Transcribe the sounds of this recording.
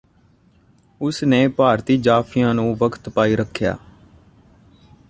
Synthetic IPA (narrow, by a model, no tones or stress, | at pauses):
ʊsneːpaːɾt̪iːd͡ʒaːpʰɪjãːnũːʋəkʰt̪paːiːɾəkʰːja̰ː